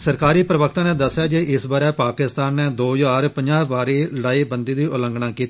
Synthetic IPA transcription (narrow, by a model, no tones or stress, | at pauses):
səɾkaːɾiːpɾəʋəkt̪ãːnɛ̃ːd̪əsːɪjaːd͡ʒeʔɪsbaːɾɛːpaːkɪst̪aːnːɛ̃ːd̪oːd͡ʒaːɾpəɲd͡ʒaːʋaːɾiːləɽaːiːbənd̪iːd̪iːʔʊlə̃ŋɡɳãːkiːt̪i